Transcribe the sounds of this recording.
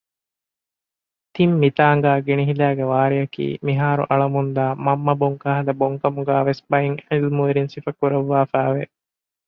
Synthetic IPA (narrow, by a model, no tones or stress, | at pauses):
t̪imːit̪aːŋ̆ɡæːɡeniɦilæːɡeʋaːɾijɐkḭːmiɦaːɾṵʔɐɭɐmund̪aːmɐmːɐboŋkaɦɐlɐboŋkɐmuɡæːʋesbɐiŋelmuʋeɾinsifɐkuɾɐʋːaːfæːʋe